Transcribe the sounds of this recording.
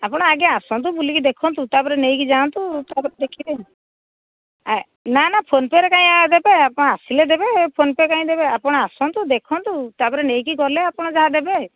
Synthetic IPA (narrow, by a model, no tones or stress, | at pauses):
apɔɽ̃aaɡɛasɔnt̪̬ubulikid̪ekʰɔnt̪ut̪apɔɾenejkid͡ʒant̪ut̪apɔɾd̪ekʰibe | a | nanapʰonpeɾɛkaĩad̪ebeapɔɽ̃aasiled̪ebepʰonpekaĩd̪ebeapɔɽ̃aasɔnt̪ud̪ekʰɔnt̪ut̪apɔɾenejkiɡɔleapɔɽ̃ɔd͡ʒaɦad̪ebe